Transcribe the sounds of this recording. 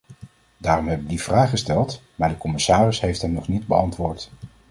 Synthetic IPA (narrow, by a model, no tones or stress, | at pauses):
daːrɔmɦɛbədiv̥raːχəstɛlˠtmaːɹdəkɔmɪsaːrɪsɦejftɦɛmnɔχnidbəɑntʋʊːɹt